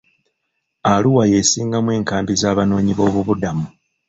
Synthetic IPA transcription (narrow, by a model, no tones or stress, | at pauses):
aluwaje̞siːŋɡamwe̞ːŋkaːmbizaːβano̞ːɲiβo̞ːβuβudamu